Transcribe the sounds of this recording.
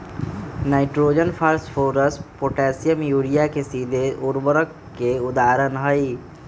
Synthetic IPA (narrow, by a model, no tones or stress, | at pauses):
naːiʈɾoːd͡ʒənfʰaɾsfʰoːɾəspoʈɛːsijəmjuːɾijakʰesiːd̪ʱeʔʊɾbəɾəkː | eʊd̪aːɾənɦəi